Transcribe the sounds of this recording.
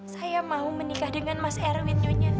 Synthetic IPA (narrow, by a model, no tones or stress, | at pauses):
sajamaɦumənikahdəŋanmasɛɾwit̪̚ɲɔɲa